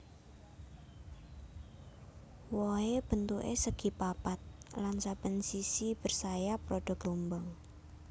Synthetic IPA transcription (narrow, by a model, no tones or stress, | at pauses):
wɔheb̥ə̤nt̪uʔḛsəɡ̥i̤papat̪̚lansab̥ənsisib̥ə̤rsajapɾoɖ̥ɔ̤ɡ̥lombɔŋ